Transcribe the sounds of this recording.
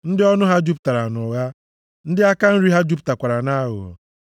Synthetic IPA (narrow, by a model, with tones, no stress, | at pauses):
n̩˦dɪ˦ɔ˦nʊ˦ɦa˦d͡ʒu˦p̚ta˨ɾa˨nʊ˨ɣa˦ | n̩˦dɪ˦a˦ka˦n̩˦ɾi˦ɦa˦d͡ʒu˦p̬ta˨kʷa˨ɾa˨na˦ɦʊ̰˨